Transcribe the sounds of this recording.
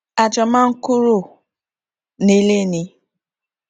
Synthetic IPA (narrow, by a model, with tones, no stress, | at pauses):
a˨d͡ʒɔ˨ma˦ŋ̩˦kʊ˦ɾʊ˨ | ne˨le˦ni˦